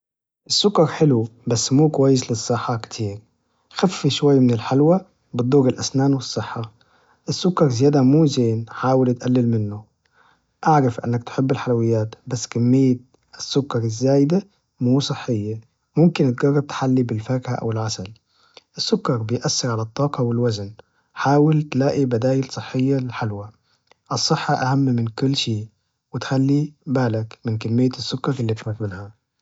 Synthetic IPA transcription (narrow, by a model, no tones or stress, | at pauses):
ʔɪsːʊkːɑɾˤħɪlubasːmuːkwajːɪslɨsˤːɨħːɑkt̪ʰiːɾ | xafːiʃwajːmɪnɪlħalwa | bɨd̪ˤːuːɣɪlʔasnaːnwɨsˤːɨħːɑ | ʔɪsːʊkːɑɾˤzɪjaːd̪amuːzeːnħaːwɪlt̪ʔalːɪlmɪnːʊ | ʔaʕɾɑfʔɪ̰nːak̚t̪ħɪbːɪlħalawɪjːaːt̪basːkamːɪjːa | ɪsːʊkːɑɾˤɪzːaːjd̪a | muːsˤɨħːɪjːa | mʊmkɪnɪt̪̚ɡɑrˤːɑb̚t̪ħalːibɪlfakhaʔa̰wɪlʕasal | ʔɪsːʊkːɑɾbɪjʔasːɪɾʕalæt̪ˤːɑːqɑwɪlwazn | ħaːwɪlt̪laːʔibad̪aːjɪlsˤɨħːɪjːaħalwa | ʔɨsˤːɨħːɑʔahamːmɪnkʊlːʃeːʔ | wɪt̪xalːibaːlakmɪnkamːɪjːasːʊkːɑɾɪlːiːt̪fak̪mɪnha